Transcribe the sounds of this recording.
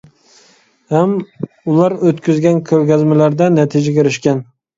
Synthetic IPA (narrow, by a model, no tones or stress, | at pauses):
ham | ʊlˠaɾɵt̪kʰʲʊzɡʲankʲʰɵlɡʲazmalaɾd̪anat̪ʰɪd͡ʒakʲɪɾɪʃkʲan